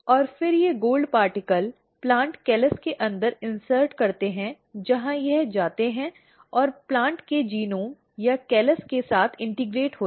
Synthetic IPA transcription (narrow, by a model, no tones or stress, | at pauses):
ɔːɾfɪɾjeɡoːlɖpaːɾʈɪkəl | plãːɳʈkɛːləskeʔɐ̃nd̪əɾɪ̃nsəɾʈkɐɾt̪eɦɛ̃ | d͡ʒɐɦãjɛɦd͡ʒaːt̪eɦɛ̃ | ɔːɾplãːɳʈked͡ʒiːnõ | jakɛːləskesaːt̪ʰɪ̃ɳʈɪɡɾeːʈɦoː